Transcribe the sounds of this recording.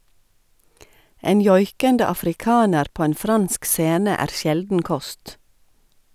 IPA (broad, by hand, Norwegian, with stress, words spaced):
ˈeːn ˈjɔʏkəndə ɑfɾɪˈkɑːnəɾ ˈpoː ˈeːn ˈfɾɑnsk ˈseːnə ˈæːɾ ˈsjɛldn̩ ˈkɔst